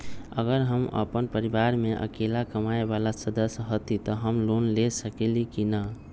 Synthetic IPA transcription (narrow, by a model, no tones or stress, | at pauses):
ə̰ɡəɾɦəmə̰pənpəɾibaɾmeʔə̰kelakəmaebalasəd̪əsjɦot̪it̪ɔɦəmlonlesəkelikina